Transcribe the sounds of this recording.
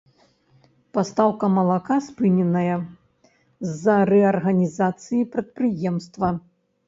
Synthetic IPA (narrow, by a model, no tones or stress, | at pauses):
past̪awkɐmɐlˠakaspɨnʲɛnɐjɐ | zːɐɾɛɐrɣɐnʲizat̪sɨjipɾɐt̪̚pɾɨjɛmst̪vɐ